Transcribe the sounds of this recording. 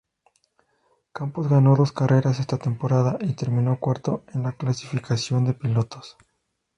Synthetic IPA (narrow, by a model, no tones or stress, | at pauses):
kampozɣano̞ðo̞skarʔe̞ɾase̞st̪at̪e̞mpo̞ɾaðaʔit̪e̞ɾmĩno̞kwaɾt̪o̞enlaklasi̥fikasjo̞nd̪e̞pilo̞t̪o̞̥s